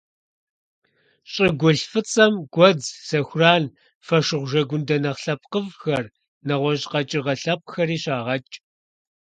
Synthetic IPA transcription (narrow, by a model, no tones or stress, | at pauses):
ɕʼɪɡʷʊɬfɨt͡sʼɐmɡ̥ʷɔd͡zsɐxʷraːn | fɐʃɨʁʷʒɐɡʷʊndɐnɐχɬɐp̚ʼqəvxɐr | nɐʁʷɔʑqɐt͡ʃʼɪrʁɐɬɐp̚ʼxɐɾiːɕaːʁɐt͡ʃʼ